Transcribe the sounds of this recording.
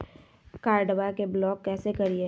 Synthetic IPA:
kaːɾɖəʋakeblɔːkːɛːsekɐɾie

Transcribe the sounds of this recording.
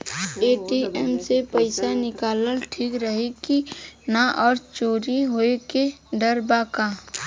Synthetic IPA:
eːʈiʔɛːmsepəɪsanɪkaːləlʈʰiːkɾəɦekinaʔɔːɾt͡ʃoːɾiɦoekeɖəɾbaːkaː

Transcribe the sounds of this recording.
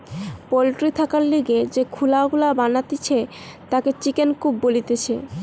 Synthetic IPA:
polʈɾit̪ʰakaɾliɡed͡ʑekʰulaɡulabanat̪it͡ɕʰe | t̪aket͡ɕikenkubːolit̪et͡ɕʰḛ

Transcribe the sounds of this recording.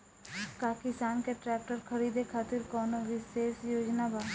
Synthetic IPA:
kaːkɪsaːnkeʈɾɛːk̚ʈəɾxʰɐɾiːd̪ekʰaːt̪ɪɾkɔːnoʋɪʃeːʃjoːd͡ʒnabaː

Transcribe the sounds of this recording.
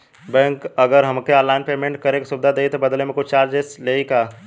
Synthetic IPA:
bɛ̃ːŋkəɡəɾɦɐmkeaːlaːɪnpeːmẽɳʈ̚kɐɾeksubd̪ʱad̪eit̪obəd̪lemẽkʊt͡ʃʰt͡ʃaːɾd͡ʒesleika

